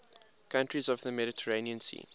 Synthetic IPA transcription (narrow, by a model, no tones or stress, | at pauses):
kʰãntɹizɔvðəmɛɾɪtʰəɹẽɪniə̃nsḭː